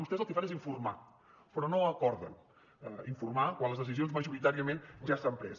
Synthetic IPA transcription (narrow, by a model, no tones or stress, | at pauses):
ust̪ɛzəlˠkəfaneziɱfurma | pɾɔnoəkɔɾðə̰n | əiɱfurmakwanləzðəsizionzməʒuɾit̪aɾiəmenʒast̪ampɾɛs